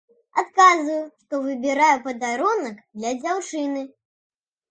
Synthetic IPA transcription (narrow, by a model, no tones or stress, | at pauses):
at̪kazvɐjuʂt̪ɔvɨbʲɛɾajupɐd̪aɾunɐkd̪lʲɐd͡zʲawt͡ʂɨnɨ